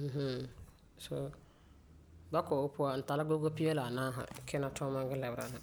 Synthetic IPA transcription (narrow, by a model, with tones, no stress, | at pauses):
ɦ̩˦ | so˨ | ba˦kɔ˨ʊ˦pʊ˦a˨n̩˨ta˨la˦ɡo˦ɡo˦pi˦ɛ˦la˨naː˦ɦa̰˨kʰɪ˦na˨tɔ˦ma˦ɡɪ˦lɛ˨bɾa̰˨na˨